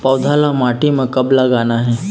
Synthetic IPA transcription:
pɐwd̪ʱaːlamaːʈimẽkɐblaɡaːnaɦɛː

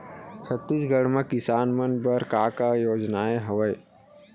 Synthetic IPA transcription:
sɐt̪ːud͡ʒɡəɽmãkɪsaːnmɐnbɐɾkaːkajoːd͡ʒnaːeɦɐʋəj

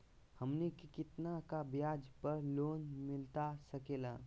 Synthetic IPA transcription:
həmnekkɪt̪nakabjaːd͡ʒpəɾloːnmɪlt̪asəkeːlaː

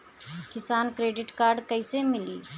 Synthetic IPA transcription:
kɪsaːnkɾeːɖɪʈkaːɾɖkɐɪsemɪliː

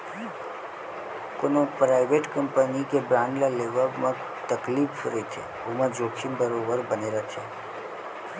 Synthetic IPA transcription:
koːnopɾaːɪʋeʈkə̃mpənikebɾãːnɖlaleːʋəmã | t̪əkliːpɾəit̪ʰḛ | ʊmə̃d͡ʒoːkʃimbəɾoːbəɾbəneːɾat̪ʰeː

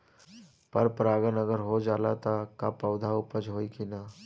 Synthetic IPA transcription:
pəɾpɾaːɡənəɡəɾɦod͡ʒaːla̰t̪akapəwd̪ʱaupəd͡ʒɦoikina

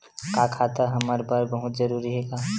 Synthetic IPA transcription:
kakʰat̪aɦəməɾbəɾbəɦʊt̪d͡ʒəɾuɾiɦeɡa

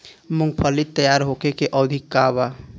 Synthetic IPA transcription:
muŋɡpʰəlit̪ːəjaɾɦokekeʔəd̪ʱikːaba

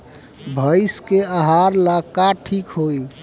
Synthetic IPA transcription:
bʱəjskeaɦaɾlakaʈʰikɦoj

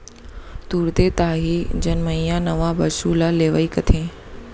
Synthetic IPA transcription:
t̪uːɾd̪et̪aːɦiːd͡ʑɐnmə̃ĩjãnɐʋabɐʃuːlaleːʋəiːkɐt̪ʰẽː

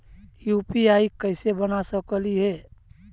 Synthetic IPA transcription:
jupiaikəɪsebənasəkəliɦɛː

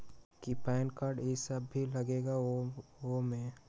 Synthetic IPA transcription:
kipɛːɪnkaːɾɖɪsəbʱːilɐɡeːɡa | omẽ

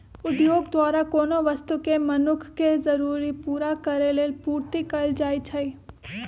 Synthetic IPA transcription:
ʊd̪joːɡd̪waːɾakoːnoʋɐst̪ukemɐnʊkʰkezɐɾuːɾipuːɾakɐɾeleːlpuːɾt̪ikɐld͡ʒaːit͡ʃʰɐi

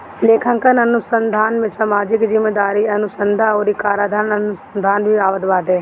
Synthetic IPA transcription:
leːkʰə̃ŋkənənʊsənd̪ʱaːnmẽsamaːd͡ʒɪkzɪmːeːd̪aːɾiɐnʊsənd̪ʱaoːɾikaːɾaːd̪ʱaɾnənʊsənd̪ʱaːnbʱiaːʋəd̪ʋaːd̪eː

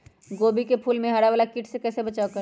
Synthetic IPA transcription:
ɡoːbikepʰuːlmẽɦɐɽaʋaːlakɪʈsekɛːsebɐt͡ʃaːokɐɾ

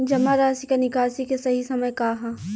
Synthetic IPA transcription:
d͡ʒɐmaɾaːsikanɪkaːsikesɐɦisɐməjkaːɦa

